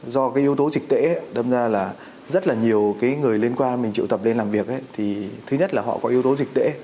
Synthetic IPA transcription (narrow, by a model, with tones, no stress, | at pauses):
zɔ˧kaː˨˦jʔi˨˦əwt̪o˨˦zï˨˩k̟̚t̪wḛ˧˥˨ɗə˧ŋ͡mzaː˧laː˨˩ | zə˦˥t̚laː˨˩ɲi˨˩əwkaː˨˦jŋɨ˨˩əjli˧ənkwaː˧nmï˨˩ŋ̟t͡ɕḭ˧˨wt̪ə˨˩p̚le˧nlaː˨˩mvi˨˩ək̚ʔa˨˦t̪ʰi˨˩t̪ʰɨ˨˦ɲə˦˥t̚laː˨˩ɦɔ̰˧˨kɔ˨˦ʔi˨˦əwt̪o˨˦zï˨˩k̚t̪wḛ˧˥